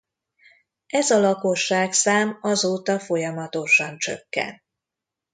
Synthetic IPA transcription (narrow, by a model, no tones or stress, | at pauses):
ɛzɒlɒko̞ʃːaːksaːmɒzoːt̪ɒfo̞jɒmɒt̪o̞ʃɒnt͡ʃø̞̰kːɛ̰nt̪